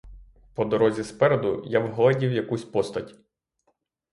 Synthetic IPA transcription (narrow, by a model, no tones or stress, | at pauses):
pɔd̪ɔɾɔzʲispɛɾed̪ʊjawɦɔlˠɐdʲiwjɐkusʲpɔst̪ɐtʲ